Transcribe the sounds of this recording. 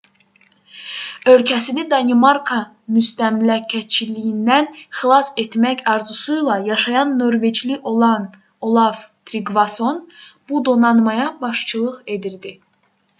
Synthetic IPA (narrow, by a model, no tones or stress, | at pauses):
ø̞lcʰæsinid̪ɑnimɑɾkʰɑ | myst̪æmlæcʰːæt͡ʃʰilijind̪ænxilˠɑse̞t̪mæçɑɾzusujlˠɑjɑʃɑjɑnːo̞ɾve̞d͡ʒliʔo̞lˠɑn | olˠɑvt̪ʰɾiɡvɑso̞nb̥ud̪o̞nɑnmɑjɑbɑʃt͡ʃʰɯlˠɯʁe̞d̪iɾd̪i